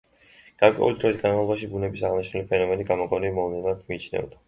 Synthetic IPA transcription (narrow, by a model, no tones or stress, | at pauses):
ɡ̥aɾkʼwɛ̰ṵlid̪ɾɔisɡanmalˠɔbaʃibunɛbisaʁniʃnulipʰɛnɔmɛniɡamɔkʼɔnimɔvlɛad̪miːt͡ʃʰnɛ̰vd̪a